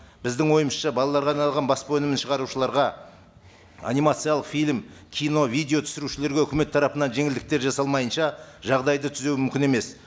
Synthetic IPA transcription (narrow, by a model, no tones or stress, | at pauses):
b̥ɪzd̪ɪŋwo̞jəməsʃɑbɑlˠɑlˠɑɾʁɑnɑlˠʁɑnbɑspəwɵnɪmɪnʃəʁɑɾuʃəlˠɑɾʁɑ | a̰nʲijmat̪sɨjalˠəqfijlʲmkʲʰijno̞vijd̪eo̞t̪ʰʏ̥sɪɾuʃɪleɾɡʲeɵkʲɪme̞t̪ʰːɑɾɑpənɑnʒe̞ŋɪld̪ɪk̚t̪e̞ɾʒɑsɑlˠmɑjənʃɑʒɑʁd̪ɑjd̪ət̪ʰʏzewmʏmkʲɪne̞me̞s